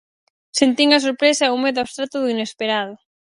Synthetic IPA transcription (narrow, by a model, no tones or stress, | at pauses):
sent̪iŋɐsoɾpɾesɐɛumeðʊaβst̪ɾat̪ʊðuinespeɾaðʊ